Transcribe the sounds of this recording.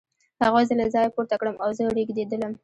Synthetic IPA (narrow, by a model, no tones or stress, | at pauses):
haɣazəlazɑjapoɾt̪akɽəmʔawzəɽiɡd̪ed̪ələm